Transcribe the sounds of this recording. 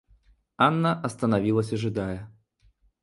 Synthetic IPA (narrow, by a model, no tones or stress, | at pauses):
anːɐʔɐst̪ɐnavʲilˠɐsʲɐʐɨd̪ajɐ